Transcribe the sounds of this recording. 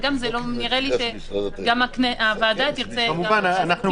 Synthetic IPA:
ɡamzelo̞niʁeliʃe | ɡamakneʔavaːdat̪iʁt͡seamuvananaχnu

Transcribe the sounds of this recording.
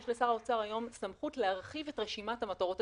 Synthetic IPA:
ʃlesaʁaot͡saʁajo̞msamχutleaʁχivetʁeʃimathamataʁo̞t

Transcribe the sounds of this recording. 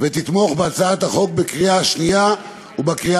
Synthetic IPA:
vet̪it̪mo̞χbeat͡saat̪aχo̞k̚bekʁiaaʃnija | ubakʁia

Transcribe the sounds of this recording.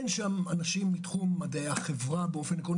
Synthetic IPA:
nʃamanaʃimːitχumːadaeaχevʁabeo̞fe̞nkon

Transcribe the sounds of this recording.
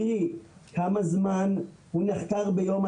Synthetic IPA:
ikamazman | huniχt̪aʁbejoma

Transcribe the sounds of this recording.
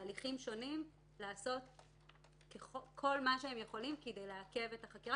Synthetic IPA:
liχimʃo̞nim | laːso̞t | keχokʰo̞lmaʃehemjeχo̞limkede̞jleake̞ve̞taχakiʁa

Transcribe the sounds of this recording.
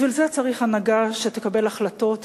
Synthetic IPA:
vilzeat͡saʁiχanaɡaʃet̪ekabe̞laχlato̞t̪

